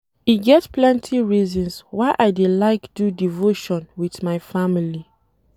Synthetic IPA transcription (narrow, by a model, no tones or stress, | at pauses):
iɡɛtplɛ̃ntʰiɹizɔ̃nswaɪʔaɪdelaɪkd̥udivoʃɔ̃nwiθmaɪfamili